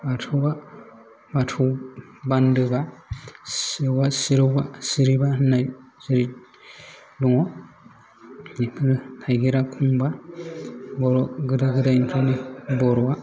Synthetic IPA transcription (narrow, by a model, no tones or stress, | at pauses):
batʰuwba | batʰɔwbandɯba | siɾwasiɾɯwbasiɾibanajzɯɾit | dɔŋɔ | nipʰɯɾɯtʰajɡiɾakʰuŋba | bɔɾɔɡɯdaɡɯdajnpʰɯnibɔɾɔwa